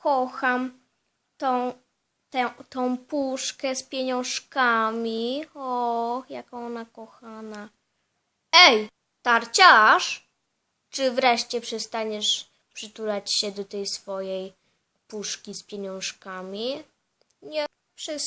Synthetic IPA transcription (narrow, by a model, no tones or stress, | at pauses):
kɔxam | t̪ɔ̃w | t̪ɛt̪ɔ̃w̃puʂkɛspʲjeɲɔ̃w̃ʂkamʲiɔjakɔ̃w̃ɔnakɔxana | ɛj | t̪aɾt͡ɕaʂ | t͡ʂɘvɾɛʂt͡ɕɛpʂɛst̪aɲɛʂ | pʂɘt̪ulat͡ɕɕɛd̪ɔt̪ɛjsfɔjɛj | puʂkʲispʲjeɲɔ̃w̃ʂkamʲi | ɲɛ | pʂɨ